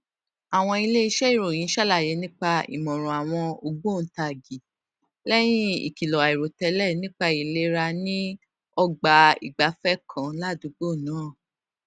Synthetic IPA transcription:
a˨w̃ɔ̃˧i˧le˦i˧ʃɛ˦i˦˨ɾo˨j̃ĩ˨˦ʃa˦la˦˨je˨˦nĩ˦k͡pa˧ḭ˨mɔ̃˨ɾ̃ɔ̃˨a˨w̃ɔ̃˧o˧ɡ͡bo˦˨n̩˨˦ta˧˨ɡi˨ | lɛ˦j̃ĩ˦ḭ˨ki˨lɔ˨a˨i˨ɾo˨tɛ˧˦lɛ˦˨nĩ˦k͡pa˧i˨le˦ɾa˧nĩ˦ | ɔ˧ɡ͡ba˨˧ḭ˨ɡ͡ba˨˦fɛ˦˨kʰã˨la˦˨du˨˦ɡ͡bo˦˨nãː˨˦˨

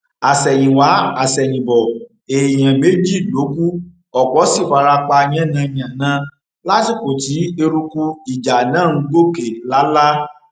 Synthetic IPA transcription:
a˨sɛ˨j̃ĩ˨wa˨˦a˨sɛ˨j̃ĩ˨bɔ˨ | e˨j̃ã˨me˨˦d͡ʒi˦˨lo˨˦ku˦ | ɔ˨k͡pɔ˨˦si˦˨fa˧ɾa˧k͡pa˧j̃ɛ̃˦nã˧˦˨ɲĩ˨ã˨nã˨˧˦ | la˦ti˦˨ko˨ti˨˦e˧ɾu˧ku˧i˨d͡ʒa˨nãː˦˨ñ̩˧˦ɡ͡bo˦ke˨la˨˦la˦

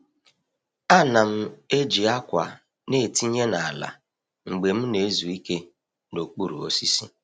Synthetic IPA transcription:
a˦na˨m̩˦e˦d͡ʒi˨a˦kʷa˨ | ne˦˨ti˦ɲe˦na˨a˨la̰˨ | ŋ͡m̩˨ɡ͡be˨m̩˦ne˨˦zu˨i˦ke˦ | no˨k͡pu˦ɾṵ˨o̰˦si˦sḭ˦

